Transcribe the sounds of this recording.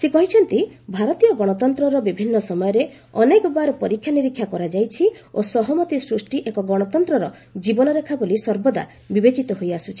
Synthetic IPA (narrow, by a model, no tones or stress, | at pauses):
sekɔɦit͡ʃʰɔnt̪ibʱaɾɔt̪ijɔɡɔɽ̃ɔt̪ɔnt̪ɾɔɾɔbibʱinːɔsɔmɔjɔɾe | ɔnekɔbaɾɔpɔɾikʰːjaniɾikʰːjakɔɾad͡ʒajt͡ʃʰi | osɔɦɔmɔt̪isɾusʈiʔekɔɡɔɽ̃ɔt̪ɔnt̪ɾɔɾɔ | d͡ʒibɔnɔɾekʰabolisɔɾbɔd̪a̰ | bibet͡ʃit̪ɔɦojasut͡ʃʰi̥